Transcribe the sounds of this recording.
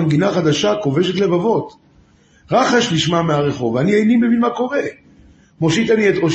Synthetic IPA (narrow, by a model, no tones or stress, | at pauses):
nɡinaχad̪aʃako̞veʃe̞t̪le̞vavo̞t̪ | ʁaχeʃliʃmameaʁeχo̞vaniejnimevinmako̞ʁe̞ | moʃit̪aniet̪ʁoʃ